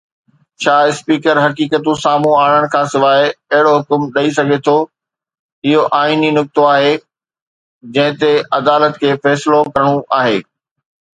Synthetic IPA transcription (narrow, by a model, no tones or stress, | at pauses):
t͡ɕʰaːɪspiːkəɾɦɐkiːkət̪ũsaːmũaːɽ̃əɽ̃kʰãːsɪʋaːɪɐɦɪɽoɦʊkʊmɗɐisɐɡʱet̪ʰo | ɪɦoʔaːiːninʊk̚t̪oaːɦe | d͡ʑɐ̃ɦɪ̃t̪eɐd̪aːlət̪kʰeːfɛːsɪlokɐɾəɽ̃uʔaːɦeː